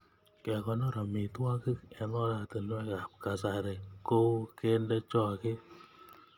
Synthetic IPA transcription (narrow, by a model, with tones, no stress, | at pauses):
kɛ˨kɔ˨nɔ˦ɾa˨mi˨twa˦kɪ˦kɛ˨˦nɔ˦la˨tɪ˨n˦ɛ˦ka˨p̚ka˨sa˨ɾe˨ko˦wke˦ndɛ˦t͡ʃɔ˦kɪ˦